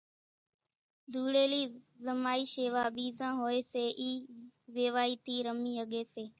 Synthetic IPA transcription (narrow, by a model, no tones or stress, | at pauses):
d̪ʱuːɽeːliːzəmaːiːʃeːʋaːɓiːzãːɦoːeːseːʔiːʋeːʋaːiːt̪iːɾəmiːəɠeːseː